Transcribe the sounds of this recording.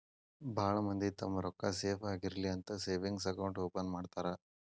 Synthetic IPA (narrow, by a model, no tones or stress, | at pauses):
bʱaːɭɐmɐnd̪it̪ɐmːɐɾɔkːɐseːpʰaːɡiɾɐliɐnt̪ɐseːʋiŋɡs̬ɐkɐwɳʈoːpɐnmaːɖt̪aːɾɐ